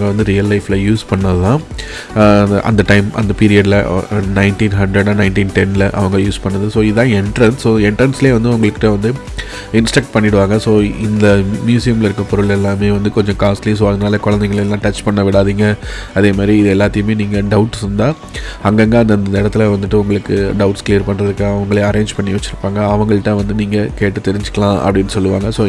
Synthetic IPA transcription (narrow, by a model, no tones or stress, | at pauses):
ŋɡɐʋɐnd̪ɯɾijɐlːɐɪflɐjuːspɐɳːɐðɯt̪ãː | ʔɐ̰nd̪ɐʈɐɪmɐ̰nd̪ɐpiːɾɪjɐɽlɐnɐɪnʈĩːnɦɐɳɖɾɐɽãːnɐɪnʈiːnʈɛnlɐʔɐ̰ʋɐŋɡɐjuːspɐɳːɐðɯsoːɪððãːɛɳʈɐɾɐnssoːɛɳʈɐɾnsɪleːʋɐnd̪ɯʊŋɡɐɭɯkːɪʈːɐʋɐnd̪ɯ | ɪnsʈɐk̚ʈ̚pɐɳːɪɽɯʋaːŋɡɐsoːɪnd̪ɐmjuːsɪjɐmɪlɐɪɾɯkːɐpɔɾɯɭɛlːaːmeːʋɐnd̪ɯkɔɲd͡ʒɔ̃kaːslis̬oːɐðɯnaːlɐkɔɻɐnd̪ɛŋɡɐɭelːãːʈɐt͡ʃpɐɳːɐʋɪɽaːðiːŋɡɐɐðeːmaːd̪ɾiɪðɯɛlːaːt̪ːɪjɯmeːniːŋɡɐɖɐʊʈːsɾɯnd̪aː | ɐŋɡɐŋɡɐɐnd̪ɐɪnd̪ɪɽɐt̪ːɪlɐʋɐnd̪ɯʈːɯʊŋɡɐɭɯkːɯɖɐʊʈskliːɾpɐɳrɾɐðɯkːaɐʋɐŋɡɐɭeɐɾẽːɲd͡ʒpɐɳːiʋɐt͡ʃːɪɾɯpːaːŋɡɐɐʋɐŋɡɐɭɯʈːãːʋɐnd̪ɯniːŋɡɐkeːʈːɯt̪ɛɾɪɲd͡ʒɯ̥kːɐɭãːʔɐ̰pːɐɽɪnːɯsɔlːɯʋa̰ːŋɡɐsoː